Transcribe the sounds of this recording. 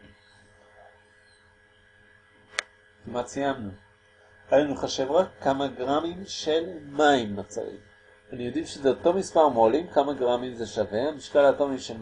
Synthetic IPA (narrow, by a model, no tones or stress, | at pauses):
kimat͡sijamnu | alanuχaʃe̞vʁakːamaɡʁamimʃelmaimːat͡sa̰ḭm | anijodifʃezeoto̞mispaʁmolimkamaɡʁamimzeʃave̞amiʃkalatomiʃel